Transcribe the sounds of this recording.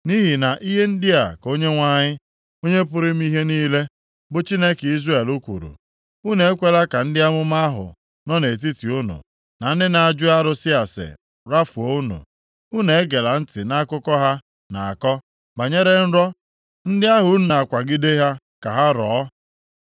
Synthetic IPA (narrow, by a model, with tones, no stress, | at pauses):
ni˦ɦi˨na˨ʔi˦ɦe˦n̩˦dɪ˦a˨ko˦ɲe˦ŋʷa˦ɲɪ˦ | o˦ɲe˦p̬ʊ˦ɾɪ˦m̩˦i˦ɦe˦niː˦le˦ | bʊ˨t͡ʃi˦ne˦ki˦zɾe˦˨lu˦kʷṵ˨ɾṵ˨ | u˦ne˨e˦kʷe˦la˦ka˨n̩˦dɪ˦a˦mʊ˦ma˦a˦ɦʊ̰˨ | nɔ˦ne˨t̬i˦ti˨ʊ˦nʊ̰˨ | na˨n̩˦dɪ˦na˨a˨d͡ʒʊ˦a˦ɾʊ˦sɪ˦a˨sɪ̰˨ | ɾa˦fu˨o˦ʊ˦nṵ˨ | u˦ne˨e˦ɡe˨la˨n̩˦tɪ˨na˦kʊ˦kɔ˦ɦa˦ | na˨a˨kɔ˦ | ba˨ɲe˦ɾe˦n̩˦ɾɔ˦ | n̩˦dɪ˦a˦ɦʊ˨˦n˦na˨kʷa˨ɡɪ˦de˦ɦa˦ | ka˨ɦa˦ɾɔː˨˦